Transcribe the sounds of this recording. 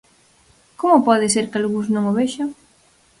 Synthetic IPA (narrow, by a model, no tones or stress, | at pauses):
komopɔðɪseɾkalɣuznõŋoβeʃaŋ